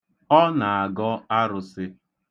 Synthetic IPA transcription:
ɔ˦na˨a˨ɡɔ˦a˦ɾʊ˨sɪ˦

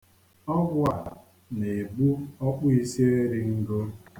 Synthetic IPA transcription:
ɔ˦ɡʊ˦a˨ | ne˨bu˦ɔ˦k͡pʊ˦i˦si˦e˦ɾi˦ŋ̩˦ɡo˦

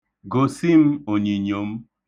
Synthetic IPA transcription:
ɡo˨si˦m̩˦o˨ɲi˨ɲo˨m̩˦

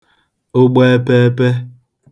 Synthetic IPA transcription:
o˦ɡ͡be˦pe˦pe˦

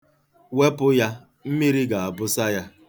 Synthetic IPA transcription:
we˦pʊ˦ja˦ | m̩˦mi˦ɾi˦ɡa˨a˨bʊ˦sa˦ja˦

